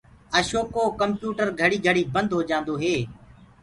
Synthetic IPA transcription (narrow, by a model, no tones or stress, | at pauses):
əʃoːkoːkəmpjuːʈəɾɡʱəɽiːɡʱəɽiːbənd̪ɦoːd͡ʒãːnd̪oːɦeː